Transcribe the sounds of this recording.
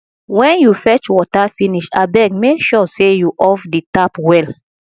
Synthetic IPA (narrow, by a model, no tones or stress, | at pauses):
wɛ̃njufɛt͡ʃwɔtafiniʃabɛɡmekʃɔsejuʔɔfditapwɛl